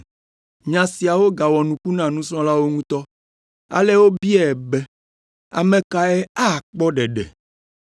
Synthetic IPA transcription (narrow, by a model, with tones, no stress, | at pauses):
ɲã˨si˨a˨wo˦ɡa˨wɔ˨nũ˨ku˦nã˨nũ˦sɔ̃˦la˦wo˦ŋũ˦t̪ɔ˦ | a̰˨le˦wo˦bi˦ɛ˦˨bɛ˦ | a̰˨mẽ˨ka˨ɛ˦a˦˨k͡pɔ˦ɖɛ˨ɖɛ̰˨